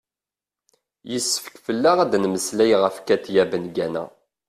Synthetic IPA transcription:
jəsːə̥fə̥kfəlːaʁæd̪nməslæjʁəfkæt̪jæbənɡænæ̰

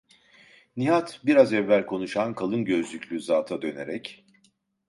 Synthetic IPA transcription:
niɦat̪biɾazɛvːælʲkʰo̞nuʃankʰalˠɯnɟø̞zlʲycʰʲlʲyzaːt̪ʰad̪ø̞ne̞ɾɛc

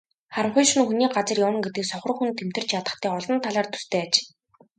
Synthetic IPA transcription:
χaɾə̆ɴχʊjʃŭnxuniːɢat͡sə̆rjawə̆ŋɡet̪ɘ̆ksɔχrɞ̆χxunt̪ʰem̥t̪ɘ̆r̥t͡ɕʰjat̪ə̆χt̪æːɔɮɞ̆nt̪ʰaɮaːrt̪ʰu̥st̪ʰeːat͡ɕ

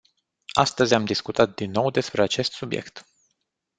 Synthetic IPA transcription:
a̰st̪əzʲamd̪iskut̪at̪̚d̪inːo̞wd̪e̞spɾeat͡ʃe̞st̪subje̞̰kt̪

